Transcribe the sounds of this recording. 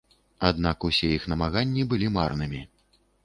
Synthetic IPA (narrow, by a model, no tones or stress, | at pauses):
ad̪nakusʲɛixnɐmaɣanʲːibɨlʲimarnɨmʲi